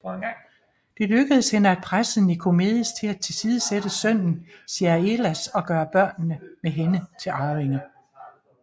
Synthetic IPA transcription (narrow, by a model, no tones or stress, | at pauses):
d̥e̝løɡ̥əð̞̩ˠəshenəæd̥̚pʰʁas̩nikʰo̝me̝ðˠst͡sʰe̝læt͡sʰe̝lsiːð̞ˠəsed̥əsœn̰n̩siːɐe̝læsɒ̽ɡ̥ɶːɐb̥ɶɐ̰nːəmeɦenət͡sʰe̝lɑ̈ːʁeŋə